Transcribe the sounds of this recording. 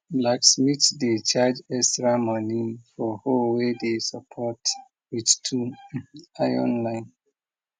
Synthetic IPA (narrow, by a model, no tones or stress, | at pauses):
blaksmitdet͡ʃad͡ʒɛstɹamɔnĩnfɔhowedesapʰɔt | wittʰu | ajɔ̰̃nlãɪ̃n